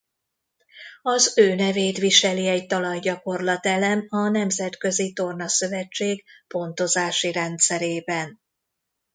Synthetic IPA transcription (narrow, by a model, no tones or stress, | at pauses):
ɒzøːnɛveːt̪ʋiʃɛliɛɟt̪ɒlɒjɟɒko̞rlɒt̪ɛlɛmɒnɛmzɛt̪kø̞zit̪o̞rnɒsø̞vɛt͡ʃːeːɡpo̞nt̪o̞zaːʃiɾɛnt̪sɛɾeːbɛn